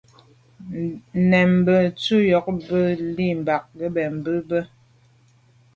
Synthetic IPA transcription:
nɛ˨m˨bə˨t͡su˦jɔ˨˦k̚bə˦li˦˨m̩˨ba˨k̚ɡə˦bɛ˨m̩˨bə˦bə˦

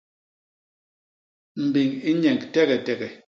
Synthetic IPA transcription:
m̩˨bi˨ŋi˦ɲɛ˨ŋktɛ˦ɣɛ˨tɛ˨ɡɛ˨

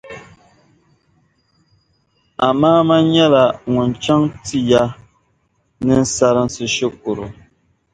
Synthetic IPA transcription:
a̰˨maː˦ma˦ɲa˦la˨ŋu˨n˨t͡ʃa˦ŋti˦ja˦ | nɛ˦n̩˦sa˨ɾa˨n̩˦si˨ʃə˦k̚u˨ɾo̰˨

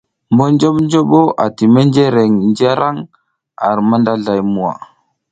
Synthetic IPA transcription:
mbo˦nd͡ʒo˦ɓnd͡ʒo˦ɓo˦ʔa˨ti˨me˦nd͡ʒe˦ɾe˨ŋnd͡ʒa˦ɾʔa˦ŋ | a˨ɾma˦nda˦ɮa˨jmu˦˨wa̰˨

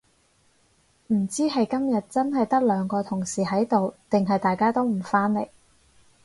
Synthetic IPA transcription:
m̩˨˩t͡siː˥ɦɐ˨jkɐ˥mjɐ˨t̚t͡sɐ˥nɦɐ˨jt̪ɐ˥k̚lœː˨˧ŋkɔː˧t̪ʰʊ˨˩ŋsiː˨˩ɦɐ˨˥jt̪o˨wt̪ɪ˨ŋɦɐ˨jt̪aː˨jkaː˥t̪o˥wm̩˨˩faː˥nle˨˩j

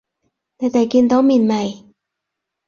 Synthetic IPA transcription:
t̪ɛ˧˩t̪a˨˩jki˧nt̪ɔː˧˦˥mi˧˩˨nma˧˩j

